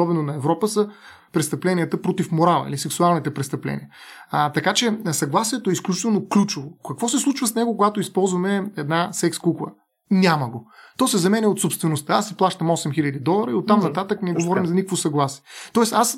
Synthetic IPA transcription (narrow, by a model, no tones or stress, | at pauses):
ɔbɛnonɐɛvɾɔpəsə | pɾɛst̪ɐplɛniət̪əpɾot̪ifmoɾalˠə̰ḭlisɛksualˠnit̪ɛpɾɛst̪ɐplɛ̰nʲḭət̪ɐkat͡ʃɛsɐɡlˠasiɛt̪oɛisklʲut͡ʃi̥t̪ɛlˠnoklʲut͡ʃʊvokɐkvɔsɛslˠut͡ʃvəsnɛɡokoɡat̪oispɔlˠzvɐmɛɛd̪nasɛkskuklˠə̰ | nʲaməɡot̪ɔsɛzɐmɛnɛot̪sopst̪vɛnost̪əasɛplˠaʃt̪əmɔsɛmxilʲɐd̪id̪ɔlˠəɾəiot̪ːamnɐt̪at̪əknɛɡovɔɾimzɐnikəkvosɐɡlˠasiɛt̪ɔɛsas